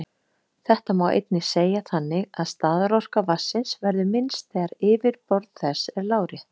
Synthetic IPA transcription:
θɛht̪amawʔḛjt̪nɪseːjaθanːɪɣaðst̪aːðɾar̥kavasːɪnsvɛɾðʏmɪnst̪ɛɾɪːvɪɾpɔɾt̪θɛsːɛɾlaːwɾɪ

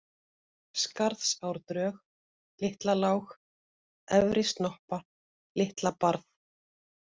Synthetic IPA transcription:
skaɾðsawɾt̪ɾœːx | lɪht̪lalawx | ɛvɾɪst̪nɔhpa | lɪht̪lapaɾθ

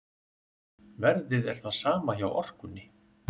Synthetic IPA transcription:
vɛɾðɪðɛɾ̥θaðsaːmaçawɔ̰r̥kʏnːɪ

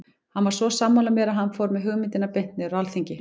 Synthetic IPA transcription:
hanːvaɾ̥svɔsaːmːawlamɛɾaɦanːfɔɾmɛðɦʏɣmɪnt̪ɪnapejn̥t̪nɪʏɾalθiɲcɪ

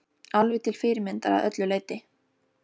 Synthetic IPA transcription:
alvɪt̪ʰɪl̥fɪːɾɪmɪnt̪aɾa̰ðœ̰t̪lʏleːjt̪ɪ

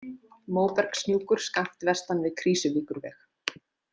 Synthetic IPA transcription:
moːwpɛɾ̥ksnjuːkʏɾ̥skaft̪vɛst̪anvɪðkʰɾiːsʏviːkʏɾvɛ̰x

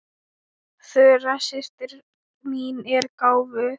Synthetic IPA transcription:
θœrasɪst̪ɪɾ | miːnɛɾkaːwvʏ

